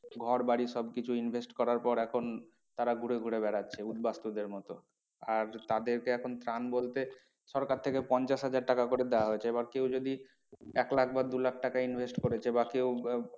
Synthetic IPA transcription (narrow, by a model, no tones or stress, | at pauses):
ɡʱɔɾbaɽiʃɔbkit͡ɕʰuinbʱesʈkɔɾaɾpɔɾɛkʰon | t̪aɾaɡʱuɾeɡʱuɽeβɛɾatːɕʰeud̪bast̪ud̪eɾmɔt̪o | aɾt̪ad̪eɾkeɛkʰont̪ɾanbolt̪e | ʃɔɾkaɾt̪ʰekepɔnt͡ɕaʃɦad͡ʑaɾʈakakoɾed̪eaɦoet͡ɕʰeebaɾkewd͡ʑod̪i | ɛklakʰbad̪ulak̚ʰʈakainbʱesʈkoɾet͡ɕʰebakew